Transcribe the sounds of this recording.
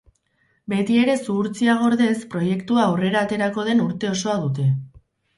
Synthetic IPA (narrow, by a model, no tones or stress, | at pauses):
be̞t̪ie̞ɾe̞suːɾt͡siaɣo̞ɾðe̞spɾo̞je̞kt̪uaːwre̞ɾaːt̪e̞ɾako̞ð̞e̞nuɾt̪e̞o̞so̞aðut̪e̞